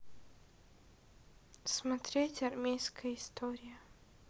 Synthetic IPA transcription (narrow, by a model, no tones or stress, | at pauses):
smɐt̪ɾʲetʲɐrmʲejskəjəɪst̪ʰoɾʲɪjə